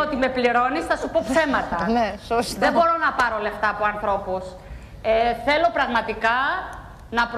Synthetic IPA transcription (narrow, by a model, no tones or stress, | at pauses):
ot̪ime̞pliɾo̞nisθɐsupo̞pse̞mɐt̪ɐnesosðe̞bo̞ɾo̞nɐpɐɾo̞le̞ft̪ɐːpoɐnθɾo̞pus | eθe̞lo̞pɾɐɣmɐt̪ikɐ | nɐpɾ